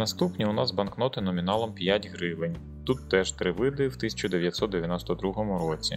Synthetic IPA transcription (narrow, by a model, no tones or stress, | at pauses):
nɐst̪upnʲiʊnɑzbɐnknɔt̪ɪnɔmʲinɑlˠɔmpʲjatʲɦɾɪʋɪnʲ | t̪ut̪ːɛʒ̥t̪ɾɪʋɪd̪ɪwt̪ɪsʲɐ̥t͡ʃʊd̪eʋʲjɐt̪ʲsɔt̪d̪eʋʲjɐnɔst̪ɔd̪ɾuɦɔmʊɾɔt͡sʲḭ